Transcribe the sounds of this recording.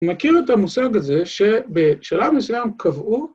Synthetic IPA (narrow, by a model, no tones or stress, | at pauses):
makiʁet̪amusaɡhaze̞ʃe̞beʃalavnisujamkʰavʔu